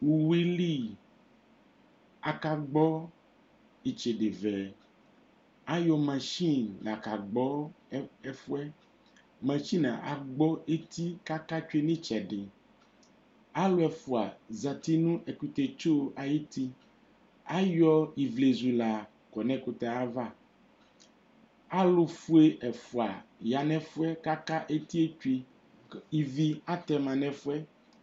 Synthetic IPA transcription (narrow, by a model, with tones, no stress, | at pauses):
wu˨wi˦li˦ | a˨ka˨ɡ͡bɔ˦ | i˨t͡ʃe˨ɖe˨vɛ˨ | a˦jɔ˦mã˨ʃi˦nla˨ka˨ɡ͡bɔ˦ɛ˦fu˦ɛ˦ | mã˨ʃi˦nã˨ʔa˨ɡ͡bɔ˦e˦t̪i˦ka˦ka˦t͡ʃe˦nĩ˦t͡ʃɛ˨ɖe˨ | a˦lo˦ɛ˨fu˨a˨za˨t̪i˦nũ˦ʔe˨ku˨t̪e˨t͡ʃo˦ʔa˨ji˦t̪i˦ | a˦jɔ˦i˨vle˨zu˨la˨ | kɔ˨nɛ̃˦ko˨t̪ɛ˨a˦va˦ | a˦lo˨fu˦e˦ʔɛ˨fu˨a˨ja˨nɛ̃˦fu˦ɛ˦ka˦ka˦ʔe˦t̪i˦e˦e˦ | i˨vi˦a˦t̪ɛ˨mã˨nɛ̃˨fu˦ɛ˦